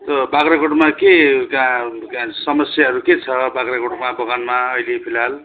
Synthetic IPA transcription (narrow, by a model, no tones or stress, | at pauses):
t̪ʌbaɡɾaɡoɽmakekãkãsʌmʌsjaɦʌɾuket͡sʰʌbaɡɾaɡoɽmabʌɡanmaʌilepʰilal